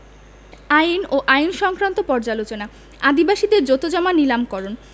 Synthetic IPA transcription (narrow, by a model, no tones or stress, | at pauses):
ajnoʔajnʃɔŋkɾant̪opɔɾd͡ʑalot͡ɕona | ad̪ibaʃid̪eɾd͡ʑot̪od͡ʑɔmanilamkɔɾon